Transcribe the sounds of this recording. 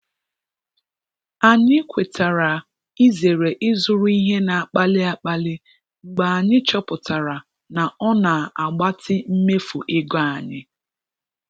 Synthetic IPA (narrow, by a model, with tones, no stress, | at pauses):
a˨ɲɪ˦kʷe˨tʰa˨ɾa˨ | i˦ze˨ɾe˨ʔɪ˦zʊ˦ɾʊ˦i˦ɦe˦na˨a˨k͡pa˦lɪ˦a˨k͡pa˦lɪ˦ | ŋ͡m̩˨ɡ͡ba˨a˨ɲɪ˦t͡ʃɔ˦pʊ˨ta˨ɾa˨ | na˨ʔɔ˦na˨a˨ɡ͡ba˦tʰɪ˦m̩˦me˦fu˨ʔɪ˦ɡa˦a˨ɲɪ̰˦